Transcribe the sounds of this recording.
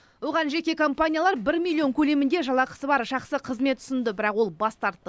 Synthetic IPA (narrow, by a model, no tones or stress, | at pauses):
woʁɑnʒe̞kʲe̞kʰo̞mpanʲijalˠɑɾbɪɾmʲilʲˠːio̞ŋkʲʰɵle̞mɪnd̪e̞ʒɑlˠɑqə̥səbɑɾʒɑχsəqʰəzme̞t̪ʰːʏ̥sɪnd̪əbɪɾɑqwo̞lˠbɑst̪ɑɾt̪ːə